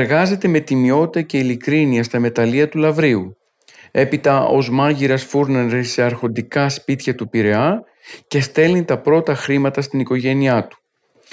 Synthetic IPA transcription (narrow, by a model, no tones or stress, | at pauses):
eɾɣɐze̞t̪e̞me̞t̪imio̞t̪iɐce̞ilikɾiniɐst̪ɐme̞t̪ɐliɐt̪ulɐvɾiu | e̞pit̪ɐo̞zmɐʝiɾɐsfuɾneɾesːe̞ɐɾxo̞nd̪ikɐspit̪çɐt̪upiɾe̞ɐ | ce̞st̪e̞lnit̪ɐpɾo̞t̪ɐxɾimɐt̪ɐst̪iniko̞ʝe̞niɐt̪u̥